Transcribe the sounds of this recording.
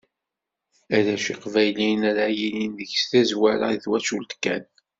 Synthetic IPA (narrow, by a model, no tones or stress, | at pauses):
æðæʃiqvæjlinæɾajininðəçsθæzwæɾa̰iθwæt͡ʃult̪kːæ̰n